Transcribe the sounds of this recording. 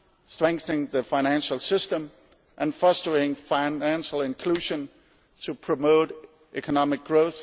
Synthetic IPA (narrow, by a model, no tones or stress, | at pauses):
stɹ̥ɛ̃ŋk̚θənɪ̃ŋðəfaɪñæ̃nʃl̩ˠsɪstə̃m | ʔɨ̃nfʌstəeɪɾɪ̃ŋfaɪnæ̃nʃl̩ˠɪ̃nkʰl̥uʒə̃n | tʰəpʰɹ̥əmoʊɾ | ʔɛkʰənɑmɪk̚ɡ̥ɹoʊθ